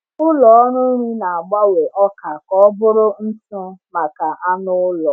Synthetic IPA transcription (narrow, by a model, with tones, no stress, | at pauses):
ʊ˦lɔ˨ɔ˦nʊ˦ɾi˦na˨a˨ɡ͡ba˦we˨ʔɔ˦ka˨kɔ˦bʊ˦ɾʊ˦n̩˦tʊ˦ma˨ka˨ʔa˦nʊ˦lɔ˨